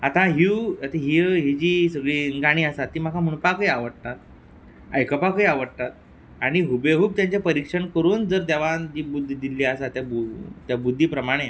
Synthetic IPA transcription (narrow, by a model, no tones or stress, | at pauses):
at̪ãɦiət̪aɦiəɦid͡ʑiːsəɡɭiːŋɡaɽ̃iːəsat̪ːiːm̤akʰam̤uɳpakəjaʋəɽt̪at̪̚ | əjkəpakəjaʋəɽt̪at̪̚ | aɽ̃iɦubeɦuːb̚t̪jaɲt͡ɕapəɾikʂəɳkəɾuːnd͡zəɾd̪ɛʋad͡ʑiːbud̪ʱːd̪ilːiasat̪jabut̪jabud̪ʱːiːpɾəmaɽ̃e